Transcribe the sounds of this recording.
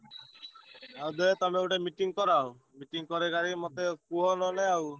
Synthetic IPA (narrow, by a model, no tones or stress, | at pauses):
awd̪ɔt̪ameuʈemiʈiŋkɔɾaw̃ | miʈiŋkɔɾekaɾimot̪ekuɦɔnɔnɛaw